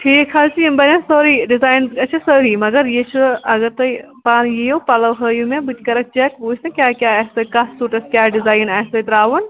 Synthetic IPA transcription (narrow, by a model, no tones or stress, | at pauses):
ʈʰiːkʰɦɐlsimbɐɾɐnsoːɾiɖizaːjnɐt͡ʃʰɐsəːɾimɐɡɐɾjet͡ʃʰuɐɡɐɾt̪ɐ | paːnjejopɐlɐwɦəːjumẽbɨt͡ʃkɐɾɐk̚t͡ʃɐkʋuːsɐ̃kʲjaːkʲaːɐsɐkɐssuːʈɐskʲjaːɖizaːjnaːsɐt̪ɾaːʋɐn